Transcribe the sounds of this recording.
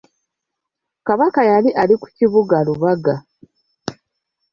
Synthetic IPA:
kaβakajaliʔaliku̥ciβuɡaluβaɡa

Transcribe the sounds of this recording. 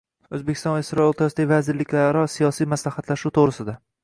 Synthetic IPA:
ɵzbekʲʰɪst̪ɒ̃nvasɪɾɒolt̪ʰasɪd̪avazɪɾlɪkʲlaɾɾɒsijɒsijmaslahat̪laʃuwt̪ʰoʁɾɪsɪd̪a

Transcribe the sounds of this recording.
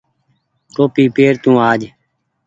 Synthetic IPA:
ʈ̪oːpiːpeːɾt̪ũːaːd͡ʒ

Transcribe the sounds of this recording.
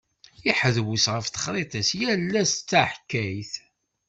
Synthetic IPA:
ɪħəðwusʁəfθə̥χɾˤet̪ˤæsjælːæst͡sːaħkːæjθ

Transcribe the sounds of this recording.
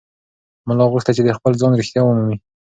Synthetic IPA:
mʊlɑɣʊxt̪at͡ʃed̪əxpəld͡zɑnɾɪxt̪jɑwmumi

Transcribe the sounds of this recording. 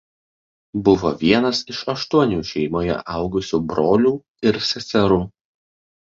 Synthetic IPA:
bʊʋo̰ːʋʲiɛnɐsɪʃɐʃt̪uɔnʲuːʃʲɛɪmoːjɛ̰ʔɐˑʊɡʊsʲuːbɾoːlʲuː | ɪɾsʲɛsʲɛɾuː

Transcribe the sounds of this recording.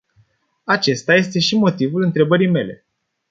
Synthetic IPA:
at͡ʃe̞st̪aje̞st̪e̞ʃimo̞t̪ivulɨnt̪ɾe̞bəɾijme̞le̞̰

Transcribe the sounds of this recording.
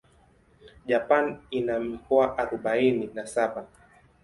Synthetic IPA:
ʄapaninamikɔaʔaɾɔɓaininasaɓa

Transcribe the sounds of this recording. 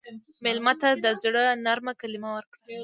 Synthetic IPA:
mɪlmat̪ad̪əzɽənaɾmakalɪmawəɾkɽa

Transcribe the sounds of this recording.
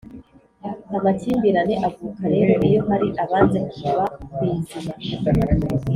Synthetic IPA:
amaciːmbiɾane̞ʔavuːkaɾe̞ːɾo̞ʔijo̞ɦaɾiʔaβaːnze̞kusaβakwizima

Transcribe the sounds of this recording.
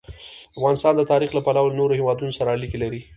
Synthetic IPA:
afɣɑnɪst̪ɑnd̪ət̪ɑɾixlapalawlnoɾohewɑd̪unosaɾaːlikelaɾi

